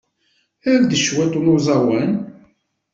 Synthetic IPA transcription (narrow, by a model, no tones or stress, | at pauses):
æɾd̪əʃwæt̪umuzˤɑwæn